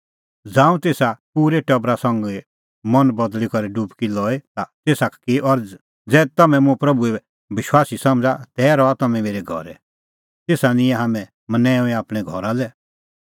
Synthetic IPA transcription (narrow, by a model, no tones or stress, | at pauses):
d͡zãːũt̪eːsapuːɾeʈɐbɾasɐ̃ŋɡɛ | mɐnbɐd̪likɔɾɛɖubkilɔːet̪at̪eːsakkiʔɔɾ | d͡zɛːt̪ɐmɛ̃mũpɾɐbue | bɪʃwaːsisɐ̃md͡zat̪ɛːɾɔat̪ɐmɛ̃meːɾɛɡʱɔ̰ɾɛ̰ | t̪eːsanɪ̃ɛ̃ɦaːmɛ̃ | mənɛ̃ːũĩaːpɽ̃ɛ̃ɡʱɔ̰ɾalɛ